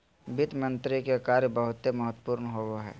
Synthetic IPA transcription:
bɪt̪mə̃nt̪ɾikekaːɾjbəɦʊt̪ːeməɦət̪puːɾnɦoɡoɦɛ̰ː

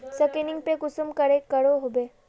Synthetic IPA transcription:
sekeniŋɡ̚pekusumkəɾekːəɾoɦobe

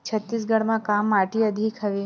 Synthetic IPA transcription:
t͡ʃʰət̪ːis̬ɡəɽmãkamːaʈiəd̪ʱikʰəʋi

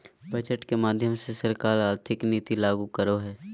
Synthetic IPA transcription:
bɐd͡ʒəʈkemaːd̪ʱjəmsesəɾkaːɾaːɾt̪ʰɪkniːt̪ilaːɡukəɾoɦɛː

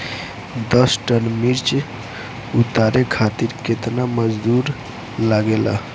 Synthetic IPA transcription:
d̪əsʈənmiɾt͡ʃ | ut̪aɾekʰat̪iɾket̪naməd͡ʒd̪uɾ | laɡela̰

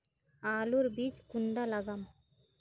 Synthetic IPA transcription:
aːluɾbit͡ʃkuɳɖalaɡam

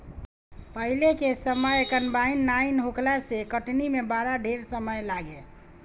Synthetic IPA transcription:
pəɦilekesəməjkənbainːainɦoklasekəʈnimebaɾaɖʱeɾsəməjlaɡe

